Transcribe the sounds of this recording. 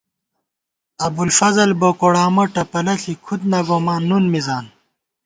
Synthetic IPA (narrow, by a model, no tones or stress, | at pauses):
ɐbulfɐzɐlbokoɽaːmoʈɐpɐlɐɬikʰud̪̚nɐɡomaːnːunmizaːn